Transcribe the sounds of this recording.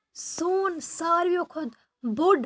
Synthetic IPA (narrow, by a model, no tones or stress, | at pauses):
soːnsaːɾjokʰod̪ | buɖ